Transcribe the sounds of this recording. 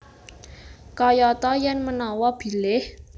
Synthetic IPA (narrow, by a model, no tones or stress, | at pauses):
kɔjɔt̪ɔjɛnmənɔwɔb̥i̤lɪh